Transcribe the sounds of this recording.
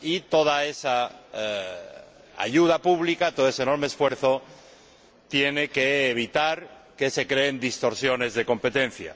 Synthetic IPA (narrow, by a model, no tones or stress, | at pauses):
it̪o̞ð̞aesa | a̰ʝuð̞apuβ̞likat̪oðoes̬eno̞ɾmeːsfwe̞ɾθo̞ | t̪je̞ne̞keːβ̞it̪aɾ | ke̞se̞kɾeːnd̪ist̪o̞ɾsjo̞ne̞zðe̞kõ̞mpe̞t̪en̟θja̰